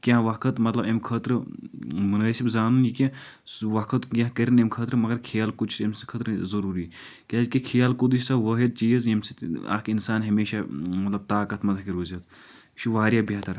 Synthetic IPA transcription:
kʲãːʋɐkʰɐt̪mɐt̪lɐbemkʰɐt̪ɾɨmunaːsibzaːnunikʲẽ | sʋɐkʰɐt̪jãkɐɾinemkʰɐt̪ɾɨmɐɡɐɾkʰijaːlkut͡ʃʰsmsi̥kʰɐt̪ɾzɐɾuːɾiː | kʲaːzkʲikʰijaːlkud̪it͡ʃsɐʋɐɦid̪̚t͡ʃiːɐzɐmsia̰ːkinsaːnɦɐmeːʃamɐt̪lɐb̚t̪aːkɐt̪mɐt̪ʰakiɾuːzɐt̪ | t͡ʃʰuʋaːɾʲjaːbɐːt̪ɐɾ

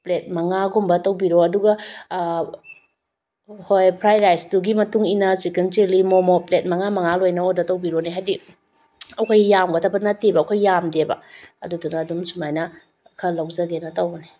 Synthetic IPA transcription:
plet̚mɐŋaɡumbɐtɐwbiɾoɐduɡɐ | hojpʰɾajɾajsduɡimɐtuŋinɐsikenteɾlimomoplet̚mɐŋamɐŋalojnɐodɐtɐwbiɾoniɦajdi | ɐwkʰajːamɡɐtʰɐbɐnɐtebɐːwkʰajːamdebɐ̰ɐ̰dudunɐːdumsumajnɐ | kʰɐlɐwzɐɡenɐtɐwbɐni

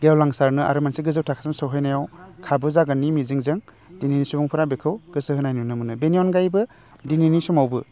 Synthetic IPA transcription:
ɡewlaŋsaɾnɯa̰ɾɯmansiɡɯzɯwtʰakʰḁsamsɯwɦajnajawkʰabɯzaɡanimiziŋzɯŋ | d̥ininisubɔŋpʰɯɾabekʰɯwɡ̥ɯsɯhɯnajnunɯmɯnɯbeniɔnɡajbɯ | dininisɔmawbɯ

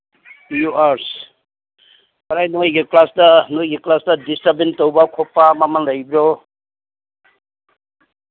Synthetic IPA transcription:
juaɾs | kʌɾajnojɡiklasdanojɡiklasdadistabintowbakʰɔpːamamanlʌjbɾo

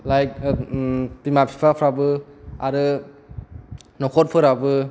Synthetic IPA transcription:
lajk̚ | pimapʰi̥pʰapʰɾabɯaɾɯ | nɔkʰɔt̚pʰɯɾabɯ

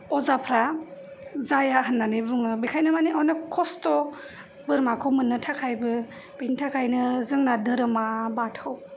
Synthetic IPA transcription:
ɔzapʰɾa | zajaɦɯnːanɯbuŋɯbikʰajnɯmaniʔɔnɯkʰɔstɔ | bɯɾmakʰɯmɯnːɯtʰakʰajbɯ | b̥entʰakʰajnɯzɯŋnadɯɾɯmabatʰaw

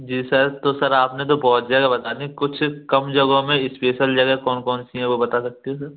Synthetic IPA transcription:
d͡ʒiːsɐɾt̪osɐɾaːpnet̪̬obɔɦːt̪zjaːd̪abɐt̪aːnikʊt͡ʃʰkɐmd͡ʒɐɡõmẽɪspeːʃəld͡ʒɐɡɛɦkɔːnkɔːnsiɦɛ̃ʋobɐt̪asɐk̚t̪iɦɛ̃s̬ɐɾ

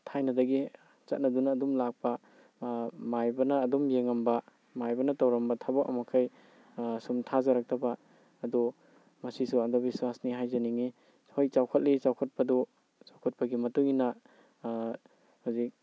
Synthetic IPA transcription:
tʰajnɐdɐɡi | t͡ʃɐt̚nɐdunɐːdumlak̚pɐ | majbɐnɐːdumjeŋɐmbɐ | majbɐnɐtawɾɐmbɐtʰabɔkɐ̰makʰaj | sumtʰazaɾak̚tɐbaː | dɔ | mɐsisuandɔbiswasniɦajzɐniŋi | hojt͡ʃawkʰɐt̚lit͡ʃawkʰɐt̚pɐdu | t͡ʃawkʰɐt̚pɐɡimɐtuŋina | huzik̚

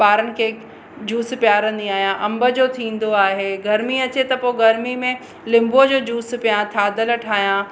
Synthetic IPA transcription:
baːɾənɪ̆kʰe | d͡ʑuːspjaːɾə̃n̆d̪iaːɦijãʔɐ̃mbə̆d͡ʑoːt̪ʰĩːn̆d̪oaːɦeɡɐɾmiɐt͡ɕet̪ɐpoːɡɐɾmimẽ | lɪ̃mbod͡ʑoːd͡ʑuːspijãt̪ʰaːd̪əlʈʰaːɦjã

